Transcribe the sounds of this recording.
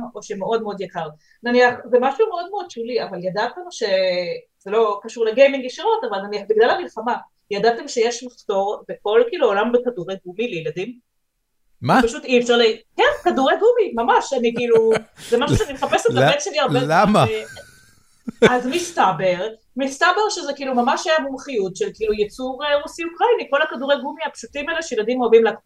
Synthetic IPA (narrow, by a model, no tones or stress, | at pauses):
oʃemeo̞dmeo̞d̪jakaʁ | naniaχzemaʃumeo̞d̪̚meo̞d̪̚ʃuliavaljad̪at̪emʃe̞ | z̥elo̞kaʃuʁleɡejmiŋɡiʃiʁo̞tavalnaniaχbiɡlalamilχama | jad̪at̪e̞mʃejeʃmaχto̞ʁbeko̞lkiːluolambekaduʁeɡumilejladim | mapaʃut̪ifʃaʁlekɛnkaduʁeɡumimamaʃanikiiːluzemaʃuʃeanimeχapeselabenʃeliaʁbezama | azmistabeʁ | mistabe̞ʁʃezekiilumamaʃhajamumχijutʃelkilujet͡suʁeʁusiukʁainiko̞lakaduʁejɡumiapʃutimeleʃejlad̪imabimlak